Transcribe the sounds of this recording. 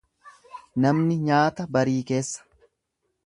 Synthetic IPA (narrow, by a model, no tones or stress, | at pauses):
nɐmnɪɲaːt̪ɐbɐɾiːke̞ːsːɐ̥